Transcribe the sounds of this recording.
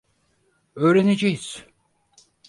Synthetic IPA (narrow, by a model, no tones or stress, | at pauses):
øːɾenid͡ʒijiz̥